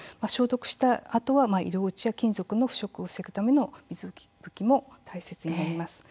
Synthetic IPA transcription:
maɕo̞ːt̪o̞kɯ̟ɕi̥t̪aːt̪o̞βamaḭɾo̞ːɯt͡ɕijakʲĩnzo̞kɯ̟noɸɯ̟̥ɕo̞kɯosekɯ̟t̪ame̞no̞mʲizɨi̥bɯ̟kʲimo̞t̪aise̞t͡sɨɲ̟inaɾʲimasɨ̥

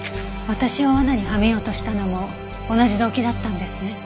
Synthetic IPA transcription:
βat̪aɕiβaanaɲ̟ihamejo̞ːt̪o̞ɕi̥t̪ano̞moː | naʑid̪o̞ːkʲid̪at̪ːãnd̪e̞sɨne̞

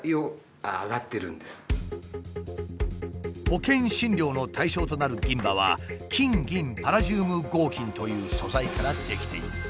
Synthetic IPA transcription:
io | aɡat̪ːe̞ɾɯ̟̃nd̪esɨ̥ | ho̞kẽ̞ɰ̃ɕĩɲʲo̞ːno̞t̪ʰaiɕo̞ːt̪o̞naɾɯ̟ɡʲĩmbaβ̞a̰kʲĩŋɡʲĩmpaɾaʑɨːmɯ̟ɡo̞ːkʲĩnt̪o̞jɯ̟ːso̞zaikaɾad̪̥e̞kʲi̥t̪e̞̰ḭɾɯ

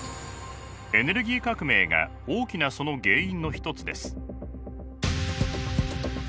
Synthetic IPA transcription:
e̞ne̞ɾɯ̟ɡʲiːkakɯ̟me̞ːɡa̰ | oːkʲinaso̞no̞ɡe̞ːĩnːo̞çi̥t̪o̞t͡sɨd̪e̞sɨ̥

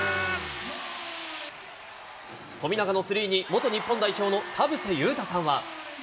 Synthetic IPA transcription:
t̪o̞mʲinaɡano̞sɨɾʲiːɲ̟imo̞t̪o̞ɲ̟ipːõnd̪aiço̞ːno̞t̪ʰabɯ̟sejɯ̟ːt̪asãɰ̃βa

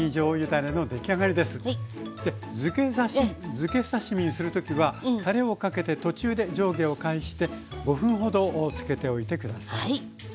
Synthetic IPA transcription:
id͡ʑo̞ːjɯ̟d̪aɾe̞no̞d̪e̞kʲiaɡaɾʲid̪e̞sɨ̥d̪̥e̞ | ɨezɨke̞saɕimʲĩsɨɾɯ̟t̪o̞kʲiβat̪aɾe̞o̞kake̞t̪e̞t̪o̞t͡ɕɨːd̪e̞d͡ʑo̞ːɡe̞o̞kaiɕi̥t̪e̞ɡo̞ɸɯ̟̃ɰ̃ɦo̞d̪o̞t͡sɨ̥ke̞t̪e̞o̞it̪e̞kɯd̪asai

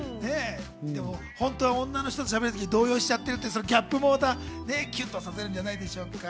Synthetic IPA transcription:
ne̞ | d̪e̞mo̞ | hõ̞nt̪o̞ːβaõ̞nːano̞çi̥t̪o̞t͡sɨ̥ɕabe̞ɾɯt̪o̞kʲiɲid̪o̞ːjo̞ːɕi̥t͡ɕat̪ːe̞ɾɯ̟t̪ːeso̞noɡʲapːɯ̟mo̞ːd̪aːne̞kʲɨt̪ːosaseɾɯ̟ɲ̟d͡ʑanaid̪e̞ɕo̞ːka

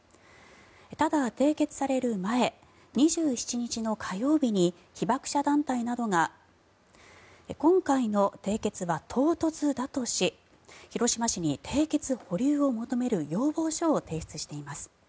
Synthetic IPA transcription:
t̪ad̪at̪e̞ːke̞t͡sɨ̥saɾe̞ɾɯ̟mae̞ | ɲ̟iʑɨːçi̥t͡ɕiɲ̟it͡ɕino̞kʰajo̞ːbʲiɲ̟i | çibakɯ̟̥ɕad̪ãnt̪ainad̪o̞ŋa | ekõ̞ŋkaino̞t̪e̞ːke̞t͡sɨβat̪ʰo̞ːt̪o̞t͡sɨd̪at̪o̞ɕi | çiɾo̞ɕimaɕiɲ̟it̪ʰe̞ːke̞t͡sɨho̞ɾʲɨːo̞mo̞t̪o̞me̞ɾɯ̟jo̞ːbo̞ːɕo̞ːt̪e̞ːɕi̥t͡sɨɕi̥t̪e̞imasɨ̥

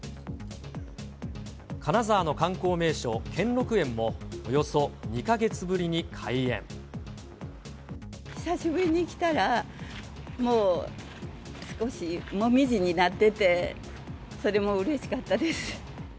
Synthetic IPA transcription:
kanazaːno̞kãŋko̞ːme̞ːɕo̞ːkʰẽ̞nɾo̞kɯ̟ẽ̞mːo̞ːjo̞so̞ɲ̟ikaɡe̞t͡sɨbɯ̟ɾʲiɲ̟ikʰaiẽ̞̰ɴ | ɕi̥saɕibɯ̟ɾʲiɲ̟iːkʲi̥t̪aɾa | mo̞ː | sɨ̥ko̞ɕimo̞mʲiʑiɲ̟inat̪ːe̞t̪e̞ | so̞ɾe̞mo̞ɯ̟ɾe̞ɕi̥kat̪ːad̪e̞sɨ̥

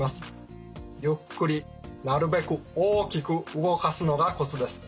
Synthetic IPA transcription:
masɨ̥ | jɯ̟kːɯ̟ɾʲi | naɾɯ̟be̞kɯ̟oːkʲikɯ̟ɯɡo̞kasɨno̞ɡako̞t͡sɨd̪e̞sɨ̥

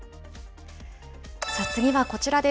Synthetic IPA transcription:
sas͈ɨŋiβako̞t͡ɕiɾad̪e̞

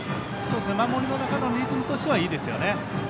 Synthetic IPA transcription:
so̞ːd̪es̬ɨne̞mamo̞ɾʲino̞nakano̞nʲɾʲit͡sɨnot̪o̞ɕiβaiːd̪e̞sɨjo̞̰ne̞

